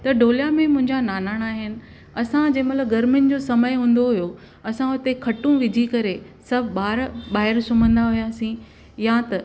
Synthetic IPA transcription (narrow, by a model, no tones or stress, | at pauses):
t̪ɐɖoːlijamẽmʊ̃ɦɪ̃ɲd͡ʑanaːnaːɽ̃aːɦɪnɪ̆ | ɐsãd͡ʑɐ̃ɦmɐt̪ləb̚ɡɐɾmɪnɪ̆d͡ʑoːsɐməjɦũːn̆d̪oɦʊjo | ɐsãʊt̪ekʰɐʈũʋɪd͡ʑʱikɐɾe | sɐbʱɓaːɾbaːɦɪɾsʊm̤ə̃nd̪aɦʊjaːsĩ | jat̪ɐ